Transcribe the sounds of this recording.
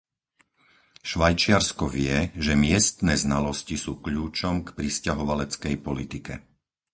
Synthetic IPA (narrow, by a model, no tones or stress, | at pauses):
ʃʋajt͡ʃɪaɾskɔʋɪɛʒɛmɪɛst̪nɛːznalɔscisuːkʎuːt͡ʃɔmkpɾiscaɦɔʋalɛt͡skɛjpɔlit̪ikɛ̰